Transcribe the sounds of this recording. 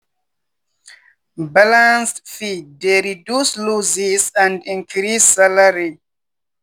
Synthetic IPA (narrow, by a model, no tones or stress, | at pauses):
balãnsfideɾidjusluzisãndĩŋkʰɾisːalaɾi